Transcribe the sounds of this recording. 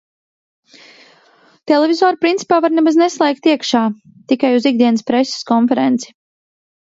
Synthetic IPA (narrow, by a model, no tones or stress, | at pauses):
t̪ɛlevizɔːɾupɾint̪i̥paːvaɾnɛbazneslˠɛːk̚t̪iɛkʃaː | t̪ikajuziɡ̚d̪iɛnəspɾesə̥skɔnfɛɾɛnt̪si̥